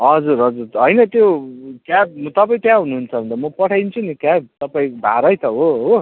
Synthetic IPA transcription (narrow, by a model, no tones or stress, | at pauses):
ɦʌd͡zuɾɦʌd͡zurɦʌjnʌt̪jokjab̚mʌt̪ʌpaĩt̪jãɦunuɦːnt͡sʰʌbʱʌnt̪amʌpʌʈʰajnt͡sʰunikab̚t̪ʌpaĩbʱa̰ɾʌjt̪ʰʌɦoɦo